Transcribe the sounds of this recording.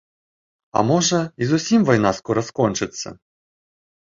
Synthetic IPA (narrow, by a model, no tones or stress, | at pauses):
ɐ̰mɔʐɐizusʲimvɔjnaskɔɾɐskɔnt͡ʂɨt̪sːɐ̰